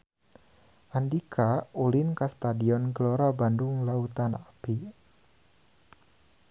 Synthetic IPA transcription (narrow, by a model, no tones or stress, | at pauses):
ʔandikʰaolinkast̪adiɔnɡəloɾabandʊŋlaut̪anapi